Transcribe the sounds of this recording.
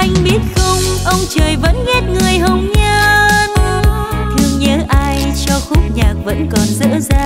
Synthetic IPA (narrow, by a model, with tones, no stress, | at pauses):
ʔa˧jŋ̟ɓi˦˥ət̚xə˧wŋ͡mʔə˧wŋ͡mt͡ɕəː˨˩jvə̰˧˥nŋɛ˦˥t̚ŋɨ˨˩əjɦə˧˩wŋ͡mɲə˧n | t̪ʰɨ˧əŋɲəː˨˦ʔaː˧jt͡ɕɔ˧xʊ˦˥k͡p̚ɲaː˨˩k̚və̰˧˥nkɔ˨˩nzɨ̰˧˥zaː˧